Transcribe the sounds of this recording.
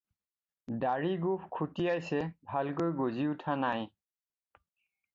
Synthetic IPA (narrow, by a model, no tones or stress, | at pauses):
daɹiɡupkʰutijajsɛbʱalk̬ojɡoziutʰanaj